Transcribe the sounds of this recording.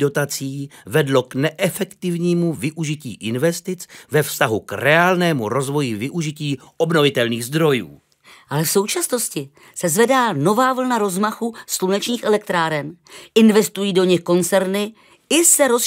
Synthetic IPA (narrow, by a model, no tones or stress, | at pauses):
do̞t̪at͡siːvɛdlo̞knɛʔɛfɛkt̪ɪvɲiːmuvɪʔuʒɪcḭːʔɪnvɛst̪ɪt͡svɛfst̪aɦukrɛaːlnɛːmuɾo̞zvo̞jɪvɪʔuʒɪciːʔo̞bno̞vɪt̪ɛlniːɣzd̪ɾo̞jṵː | ʔalɛfso̞wt͡ʃasno̞scɪ | sɛzvɛdaːno̞vaːvl̩naɾo̞zmaxuslunɛt͡ʃɲiːxʔɛlɛk̚t̪ɾaːɾɛnʔɪnvɛst̪ujiːdo̞ɲɪxko̞nt͡sɛɾnɪ | ɪsɛɾo̞s